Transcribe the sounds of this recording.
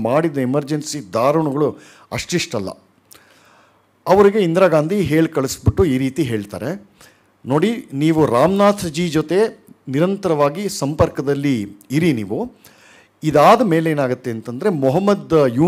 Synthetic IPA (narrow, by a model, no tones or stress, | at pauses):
maːɽid̪ɐemɐɾd͡ʒensid̪aːɾɐɳuɡɐɭu | ɐʂʈiʂʈɐlːɐ̰ | ɐʋɐɾiɡe̞ind̪ɾaːɡaːnd̪ʱiɦeːɭkɐɭisbiʈːuiːɾiːt̪iɦe̞ːɭt̪a̰ːɾe | no̞ːɽiniːʋuɾaːmnaːt̪ʰd͡ʒiːd͡ʒot̪eniɾɐnt̪ɐɾɐʋaːɡisɐmpɐɾkɐd̪ɐlːiːɾiniːʋu | id̪aːd̪ɐme̞ːleːnaːɡut̪ːe̞ːnt̪ɐnd̪ɐɾe̞mɔɦɐmːɐd̪juː